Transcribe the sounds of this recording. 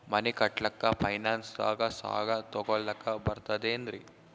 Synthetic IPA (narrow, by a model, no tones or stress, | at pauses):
mɐnikɐʈɭɐkːɐpʰɐjnaːnsda̰ːɡɐsa̰ːɡɐt̪ɔɡɔɭːɐkːɐbɐɾt̪ɐd̪eːnd̪ɾi